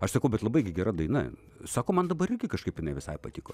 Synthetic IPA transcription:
ɐʃsɐkɐʊbʲɛt̪lˠɐbɐɪɡʲɪɡʲɛɾɐd̪ɐɪnɐ | sɑːkoːmɐnd̪ɐbɐɾɪrʲɡʲɪkɐʃkɐɪpjɪnɐɪʋʲɪsɐɪpɐt̪ʲɪko̰ː

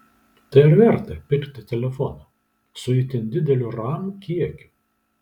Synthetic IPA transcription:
t̪ʲɐɪɾʲʋʲɛɾt̪ɐpʲɪkʲt̪ʲɪt̪ʲɛlʲɛfɔnɐ | sʊɪt̪ʲɪnʲd̪ʲɪd̪ʲɛlʲʊɾɑːmukʲiɛkʲʊ̥

